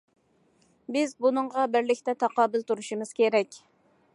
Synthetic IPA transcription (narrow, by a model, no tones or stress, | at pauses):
bɪzbunɨɴʁɑbɪɾlɪkʲt̪ɛt̪ʰɑqɑːbɪlt̪uɾuʃimɨz̥kʲeɾɛkʲ